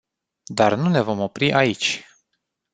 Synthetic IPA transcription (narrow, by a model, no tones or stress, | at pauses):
d̪arnune̞vo̞mo̞pɾiʔait͡ʃʲ